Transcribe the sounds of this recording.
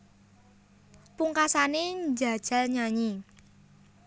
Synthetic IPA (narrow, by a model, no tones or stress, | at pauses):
puŋkasaneɲd͡ʒa̤d̥ʒ̥a̤lɲaɲi